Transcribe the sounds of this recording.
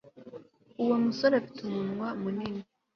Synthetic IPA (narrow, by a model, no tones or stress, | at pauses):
uwomusoɾafitumunwamunini